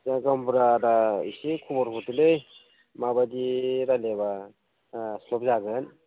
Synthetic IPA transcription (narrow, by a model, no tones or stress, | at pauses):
aɡambuɾaɾaḭsikʰubɔɾkʰutɯlɯj | mabadiɾaleba | slɔp̚zaɡɯn